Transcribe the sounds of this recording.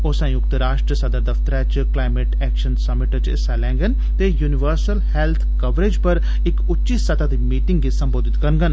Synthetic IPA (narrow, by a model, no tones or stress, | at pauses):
osə̃jʊkt̪əɾaːʂʈɾəsɐd̪əɾd̪ɐft̪əɾat͡ʃklaːɪmeʈɛːkʃənsɐmɪʈət͡ʃsɛːlɛ̃ːŋɡən | t̪ejuːnɪʋəɾsəlhɛlt̪ʰkɐʋɾed͡ʒpɐɾ | ɪkʊtːʃisɐd̪ad̪imiːʈɪŋɡɡisɐ̃mboːd̪ʱɪt̪kɐɾnɡən